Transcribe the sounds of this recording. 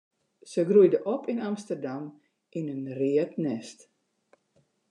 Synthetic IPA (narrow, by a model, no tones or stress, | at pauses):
səɡrujdəʔɔpinamstərdam | ʔinənriətnɛst